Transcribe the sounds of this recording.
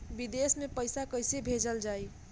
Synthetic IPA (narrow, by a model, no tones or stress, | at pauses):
bid̪esmepəjsakəjsebʱed͡ʒəld͡ʒaj